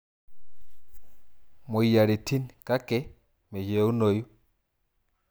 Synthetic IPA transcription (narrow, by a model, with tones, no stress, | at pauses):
mo˨i˨ja˨ɾi˨tʰi˦nka˦kɛ˦ | mɛ˨ʃe˨˦u˦no˨ju˦